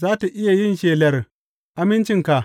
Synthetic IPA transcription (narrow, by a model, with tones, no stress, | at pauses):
zaː˦ta˨ʔɪ˦ja˨jɪ˦nʃeː˨lɐ˨r | ʔa˦mɪ˦nt͡ʃɪ˦ŋka˨